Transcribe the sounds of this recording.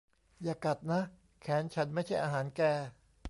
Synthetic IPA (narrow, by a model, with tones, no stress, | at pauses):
jaː˧˩ka˨˩t̪̚na˦˥ | kʰɛː˩˦nt͡ɕʰa˦˥nma˥˩jt͡ɕʰa˥˩jʔaː˧ɦaː˩˦nkɛː˧